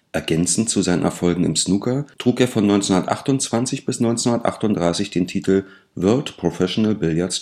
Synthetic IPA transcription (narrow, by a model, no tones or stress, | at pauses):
ʔɛɐɡɛnt͡sn̩t͡suzaɪnə̰nʔɛɐfɔlɡŋ̩ɪ̰msnukɐtʁ̥uːkeːɐfɔnːɔʏnt͡senhundɐtʔa̰χtʊnt͡sv̥ant͡sɪçb̥ɪsnɔʏnt͡sɛnhundɐtʔa̰χtʊntd̥ʁaɪsɪçd̥eːntʰiːtl̩ | vœɐtpʁ̥ofɛʃonɛlbɪljaɐs